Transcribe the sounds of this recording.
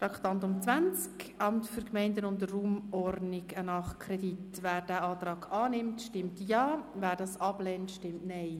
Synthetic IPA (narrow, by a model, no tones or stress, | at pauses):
tɑkχtɑntʊmt͡svænt͡skʔɑmtfʏɾkmɛɪndənʊndəruːmɔrdnɪɡənɑχkʰɾɛditvæːɾd̥æːɑːt̪rɑːɡɑːnɪmtʃtɪmtjɑːvæːɾdɑːsɑblɛːntʃtɪmtnɛɪ